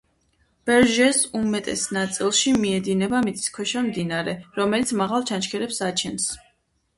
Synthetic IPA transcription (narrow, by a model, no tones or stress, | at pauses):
b̥ɛɾʒɛsumɛt̪ʼɛ̰snat̪sʼilˠʃimiɛd̪inɛbamit̪sʼi̥skʰwɛʃamd̪inaɾɛɾɔmɛlit̪sʰmaʁalˠt͡ʃʰanʃkʰɛɾɛpsat͡ʃʰɛns